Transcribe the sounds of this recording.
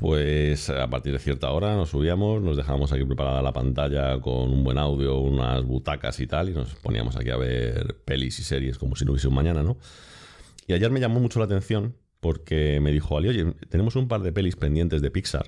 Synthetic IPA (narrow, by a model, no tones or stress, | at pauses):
pwe̞sa̰pa̰ɾt̪iɾð̞e̞θje̞ɾt̪ao̞ɾano̞sːuβ̞iamo̞sno̞zðexaβamo̞s̬akipɾe̞paɾaðalapa̰nt̪aʎako̞̰numbwe̞nawðjo̞una̰zβut̪aka̰sit̪alino̞̰spo̞nḭa̰mo̞sa̰kḭa̰β̞e̞̰ɾpe̞lisise̞ɾje̞sko̞mo̞sinouβjseumãɲãnano̞ | iaʝe̞ɾme̞ʝamo̞mut͡ʃo̞lat̪e̞n̟θjo̞n | po̞ɾke̞me̞ðixoaljo̞ʝe̞t̪e̞ne̞mo̞sumpaɾðe̞pe̞lispe̞nd̪jent̪e̞zðe̞piksa̰ɾ